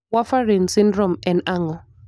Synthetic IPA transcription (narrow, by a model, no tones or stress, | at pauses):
wafaɹinsĩndɹɔ̃mɛ̃naŋɔl